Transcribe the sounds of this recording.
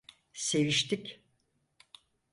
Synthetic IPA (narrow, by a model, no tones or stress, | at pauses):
se̞viʃt̪ʰikʲ